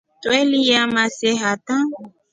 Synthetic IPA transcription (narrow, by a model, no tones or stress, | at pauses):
t̪wɛlijamasɛɦat̪ã